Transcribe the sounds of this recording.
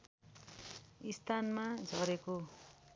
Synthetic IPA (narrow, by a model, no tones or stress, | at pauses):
ist̪ʰanmad͡zʱʌɾeko